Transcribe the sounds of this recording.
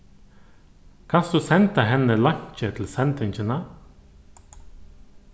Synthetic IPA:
kʰɑnsd̪ʉsɛnt̪əɦɛnəlɑɲc͡çət̪ʰl̩sɛnt̪ʰɪɲçənə

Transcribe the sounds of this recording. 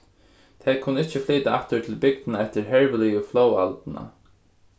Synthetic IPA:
t̪ʰɛːkʰʊnːəɪht͡ʃəfliːt̪aaht̪ət̪ʰɪlbɪk̚t̪naɛht̪əɹɦɛɹʋəliʊflowa̰lt̪na̰

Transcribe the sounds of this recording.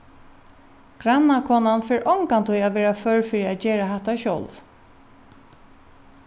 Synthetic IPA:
ɡ̥ɾanːakʰɔːnanfɛːɹʔɔŋkant̪ʰujaʋɛːɹafœɹfiːɾiad͡ʒeːɹaɦɛt̪aʃɔ̰lv

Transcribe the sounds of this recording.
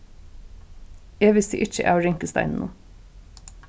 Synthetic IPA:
eːʋɪsḭʔɪt͡ʃəʔæ̰ːɹɪŋkəst̪ɑ̰ɪnnṵː

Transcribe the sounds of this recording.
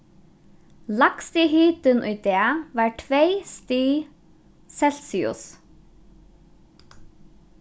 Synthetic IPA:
lakst̪iɦyːt̪ʏnʔʊ̰jt̪eːʋaːɹʈʰʋeɪst̪iː | sɛl̥siʊ̰s

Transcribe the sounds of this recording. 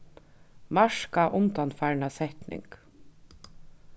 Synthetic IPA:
maʂkaʔʊnt̪anfajɾnasɛht̪nɪ̰ŋk

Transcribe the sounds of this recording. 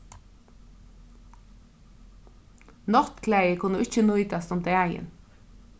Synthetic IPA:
nɔʁt̪kʰlæɪəkʰʊnuːɪçənʊʏit̪ʰɑsɔmt̪eːæɪə̰n

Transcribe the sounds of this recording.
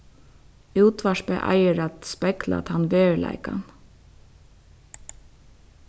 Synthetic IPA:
uwt̪ʋaʃpɛʔa̰jəɹat̪spɛkla̰t̪hanːʋeːɹla̰ɪkan

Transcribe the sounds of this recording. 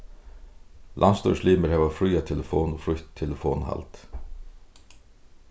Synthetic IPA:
lʔa̰nst̪ɔ̰ʂliːməɹhɛːvafɾʏjat̪ʰɛləfoːnɔfɾʊçt̪ʰːɛləfoːnha̰lt̪

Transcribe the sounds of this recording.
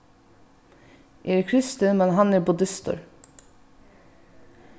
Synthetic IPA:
ʔeːɾkʰɾɪst̪ənmɛnɦɑnæːɾbʊd̪ɪst̪ɔ̰ɾ

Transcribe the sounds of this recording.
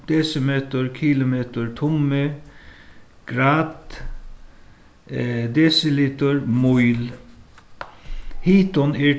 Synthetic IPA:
d̪̥ɛsəmeːt̪əɾkʰɪlʊmeːt̪əɹt̪ʰʊmə | ɡ̥ɾɑːt̪ | d̪ɛsɪlɪt̪əɹmɔʏl | hiːt̪ɔneː

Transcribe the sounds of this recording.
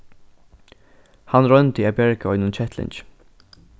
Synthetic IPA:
hanɾœnt̪əapɛɹkɔ̰ʏnʊnt͡ʃʰɛt̪lɪ̰nt͡ʃ

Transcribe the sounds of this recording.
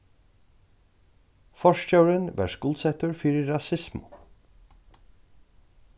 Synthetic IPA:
fɔʃt͡ʃɑːɹənʋæ̰ʃɡʊlsɛt̪əɹfyːɾəɹɑsɪsmʊ̰

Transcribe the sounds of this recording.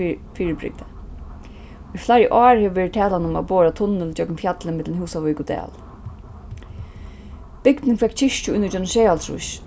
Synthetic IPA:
fiːɹɪbɾɪ̰k̚d̪a | iflaɾjəʔɑːɹheːʋɪʋɛːɹɪt̪̚t̪ʰɛːlanʊma̰boːɹat̪ʰʊnːɪlt͡ɕœkmfjat̪lɪmɪt̪lnhɦuːsaʋɔjkʊd̪ɛ̰ːl | b̥ɪkd̪nɪŋfɛkt͡ɕʰɪʂt͡ɕʊɪnːɪd͡ʒɔnʃɛːalsʰɾʊ̰ʃ

